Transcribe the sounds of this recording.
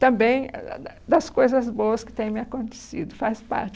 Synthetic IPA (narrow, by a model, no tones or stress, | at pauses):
t̪ɐ̃mbẽj̃ | d̪ɐskojzɐzboɐskɪ̥t̪ẽj̃mɪakõnt̪e̥sid̪ʊfaspa̰ɾt͡ʃ